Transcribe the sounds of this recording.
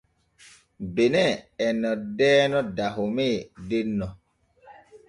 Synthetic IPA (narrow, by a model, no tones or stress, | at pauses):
benɛɛnːɔdɛːnɔdaɦomedenːɔ